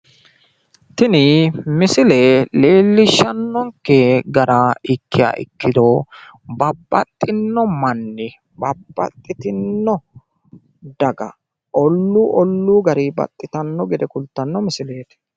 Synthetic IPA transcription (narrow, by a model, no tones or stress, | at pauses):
t̪ɪnɪmɪsɪleːleːlːɪʃːɐnːɔŋkːeɡɐɾaɪkːɪja̰ːʔɪ̰kːɪd̪ɔ | bɐbːɐt̪ʼːɪnːɔmɐnːɪ | bɐbːɐ̰t̪ʼːɪt̪ɪnːɔ | d̪ɐɡɐ̰ | ʔɔlːuːʔɔlːuːɡɐɾibɐ̰t̪ʼːɪt̪ɐnːɔɡɛd̪ɛkʊlt̪ːɐnːɔmɪsɪle̞ːt̪